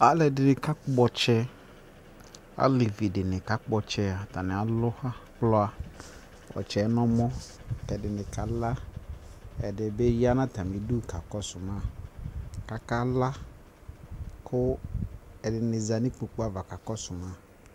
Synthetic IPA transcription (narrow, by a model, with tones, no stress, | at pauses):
a˦lɛ˨dɪ˨nɪ˨ka˦kʊ˦bɔ˦t͡ʃɛ˦ | a̰˦le˨vi˨dɪ˨nɪ̃˨ka˦kbɔ˨t͡ʃɛ˦a˨ta˨nɪ̃˨a˨lʊ˦ha˦k͡plɔ˦a˦ | ɔ̰˨t͡ʃɛ˨˦nɔ̃˦mɔ̃˦˨kɛ˨dɪ˨nɪ̃˨ka˨la˦ | ɛ̰˨dɪ˨be˦ji˦a˦nã˦ta˨mĩ˨˦du˦˨ka˨kɔ˦sʊ˨mã˦ | ka˨ka˦la˦ | kʰʊ˦ | ɛ˨dɪ˨nɪ˨za˨nĩ˦k͡po˨k͡po˦a˨va˨ka˨kɔ˦sʊ˨mã˦